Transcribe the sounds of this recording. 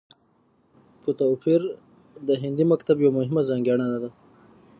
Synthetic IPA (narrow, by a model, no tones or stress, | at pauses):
put̪afiɾ | d̪əɦɪnd̪imakt̪abjawmʊɦɪmazaŋɡjɑɳanad̪a